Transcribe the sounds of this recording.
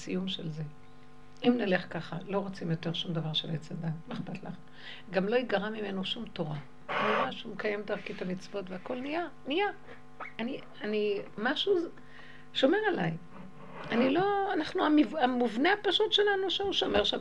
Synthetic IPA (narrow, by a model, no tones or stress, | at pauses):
sijumʃelze̞ | imnale̞χkaχalo̞ʁot͡simjo̞te̞ʁʃumd̪avaʁʃelet͡sad̪anneχpatlaχnu | ɡamlo̞iɡaʁamime̞noʃumtoʁa | niʁaʃumkajemtaʁkithamit͡svo̞tveako̞lnijanijaː | ni | animaʃu | ʃo̞me̞ʁalaj | anilo̞anaχnuamivamuvneapaʃutʃelanuʃeuʃo̞meʁʃam